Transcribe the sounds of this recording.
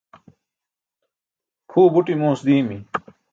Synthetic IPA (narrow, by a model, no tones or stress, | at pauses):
kʰuːbuʈimuːsd̪iːmi